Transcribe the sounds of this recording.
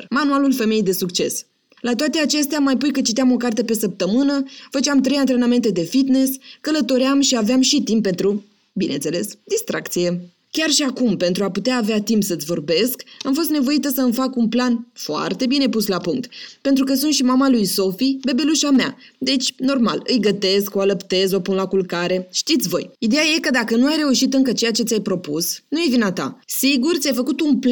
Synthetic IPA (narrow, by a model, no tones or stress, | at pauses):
manualulfe̞me̞jejd̪e̞sukt͡ʃe̞̰s | lat̪oat̪e̞at͡ʃe̞st̪eamajpujkət͡ʃit̪eamo̞kart̪epe̞səp̚t̪əmɨnəfət͡ʃeamt̪ɾe̞jant̪ɾe̞name̞nt̪e̞d̪e̞fit̪ne̞skələt̪o̞ɾeamʃiaveamʃit̪imppːe̞nt̪ɾu | binent̪se̞le̞sd̪ist̪ɾa̰kt̪sije̞ | kʲarʃiakumpe̞nt̪ɾuaput̪eaːveat̪impsət̪sʲvo̞rbe̞skamfo̞s̬t̪ne̞vo̞it̪əsəmfakunplanfoa̰rt̪e̞bine̞puslapuŋk̚t̪pe̞nt̪̬ɾukəs̬unt̪ʃimamalujso̞fibe̞be̞luʃamea̰d̪e̞t͡ʃʲno̞rma̰lɨjɡət̪e̞skoaləpt̪e̞zo̞punlakulkaɾe̞ʃt̪it̪sʲvo̞̰jid̪e̞jaje̞kəd̪akənuajɾe̞uʃit̪ɨŋkət͡ʃe̞jat͡ʃe̞t̪ʲajpɾo̞pusnujevinat̪a̰siɡurt̪ʲajfəkut̪unpl